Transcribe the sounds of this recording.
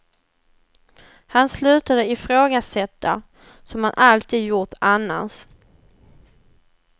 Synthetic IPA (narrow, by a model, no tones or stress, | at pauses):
hanslʉ̟ːt̪ad̪əɪfɾoːɡasɛt̪ːa | sɔmhanʔalt̪ʰiːd̪jʊʈanːa̰ns